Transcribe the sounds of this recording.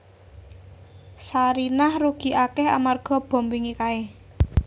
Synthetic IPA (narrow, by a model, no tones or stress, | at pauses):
saɾinahruɡ̥i̤ʔakɛha̰marɡ̥ɔ̤b̥ɔ̤mbiŋikae